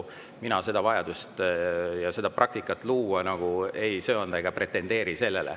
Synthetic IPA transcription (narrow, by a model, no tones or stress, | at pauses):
minɑse̞d̪̥ɑvɑjɑd̪̥ust̪jɑse̞d̪̥ɑprʔɑk̚t̪ikːˑɑt̪ːˑluːɑnɑɡ̥uejsøːond̪̥ɑeɡ̥ɑpre̞t̪ːˑe̞nd̪e̞ːɾise̞lːe̞lḛ